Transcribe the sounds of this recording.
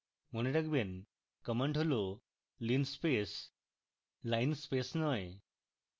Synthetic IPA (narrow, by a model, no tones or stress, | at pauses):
moneʈakben | kəməɳʈɦəlo | linspes | lajnspesnɔj